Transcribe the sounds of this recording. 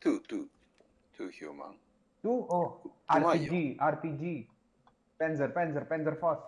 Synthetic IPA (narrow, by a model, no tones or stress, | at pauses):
t̪ʰutʰu | tʰuhṵmã̰ŋ | t̪uʔoaɾid͡ʒiart̪id͡ʒi | pɛnsərpɛnsərpɛnzərfɔs